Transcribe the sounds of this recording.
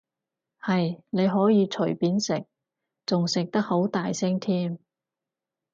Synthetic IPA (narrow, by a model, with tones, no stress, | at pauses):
hɐ˨jne˨˧jɦɔː˨˥jiː˨˧t͡ʃʰɵ˨˩jpiː˨˥nsɪ˨k̚ | t͡sʊ˨ŋsɪ˨k̚t̪ɐ˥k̚ho˨˥wt̪aː˨jsɪ˥ŋt̪ʰiː˥m